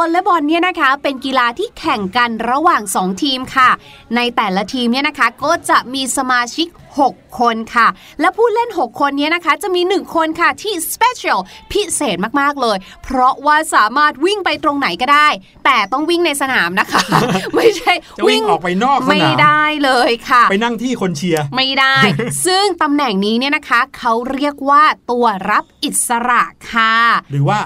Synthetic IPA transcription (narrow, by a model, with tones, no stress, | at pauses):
ɔ˧le˦˥bɔ˧nːi˥˩ɐna˦˥kʰa˦˥pe˧nki˧laː˧t̪ʰiː˥˩kʰɛ˨˩ŋka˧nɾa˧waː˨˩ŋsɔː˩˦ŋt̪ʰiː˧mkʰa˥˩ | na˧jt̪ɛː˨˩la˦˧t̪ʰiː˧mni˥˩ɐna˦˥kʰa˦˥kɔː˥˩t͡ɕa˨˩ʔmiː˧sa˧maː˧t͡ɕʰi˦˥k̚ho˨˩kʰːo˧nkʰa˥˩ | lɛ˦˥pʰuː˥˩t̪̚le˥˩nɦo˨˩kʰːo˧nːi˦˥ɐna˦˥kʰa˦˥t͡ɕa˨˩ʔmiː˧nɯ˨˩ŋkʰo˧nkʰa˥˩t̪ʰiː˥˩spe˦˥t͡ɕʰi˨˦˧lpʰi˦˥seː˨˩t̪̚maː˥˩k̚maː˥˩k̚lɤː˧j | pʰɾɔ˦˥waː˥˩saː˩˦maː˥˩t̪̚wi˥˩ŋpa˧jt̪ɾo˧ŋna˨˩˦jkɔː˥˩daː˥˩j | t̪ɛː˨˩t̪ɔ˥˩ŋwi˥˩ŋna˧jsa˧naː˩˦mna˦˥kʰa˦˥ma˥˩jt͡ɕʰa˥˩jwi˥˩ŋɔː˨˩k̚pa˧jnɔː˥˩kma˥˩jda˥˩jlɤː˧jkʰa˥˩pa˧jna˥˩ŋt̪ʰiː˥˩kʰo˧nt͡ɕʰi˧ɐma˥˩jda˥˩jsɯ˥˩ŋt̪a˧mnɛ˨˩ŋniː˦˥ni˥˩ɐna˦˥kʰa˦˥kʰa˦˥wɾi˥˩ək̚waː˥˩t̪u˧ɐɾa˦˥p̚ʔi˨˩t̪̚sa˧ɾa˨˩ʔkʰa˥˩ɾɯː˩˦waː˥˩